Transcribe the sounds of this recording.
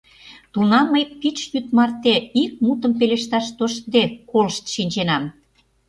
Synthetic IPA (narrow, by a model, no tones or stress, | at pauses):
t̪unɑmːəjk̚pit͡ʃjyt̪̚mɑrt̪eik̚mut̪ə̆mpeleʃt̪ɑʃt̪oʃd̪ekolʃt̪ʃinʲt͡ɕenɑm